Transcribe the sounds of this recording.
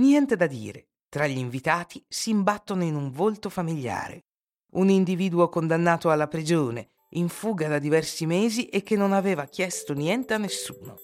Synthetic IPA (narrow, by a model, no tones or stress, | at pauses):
njɛnt̪ed̪ad̪ḭːɾe | t̪ɾaʎːiɱvit̪aːt̪isiːmbat̪ːonoinuɱvolt̪ofamiʎːa̰ːɾḛ | unind̪iviːd̪uokond̪anːaːt̪oalːapɾid͡ʒoːnḛ | iɱfuːɡad̪ad̪ivɛrsimeːziʔek̟ːenːonaveːvak̟jɛst̪onjɛnt̪eanːesːuːno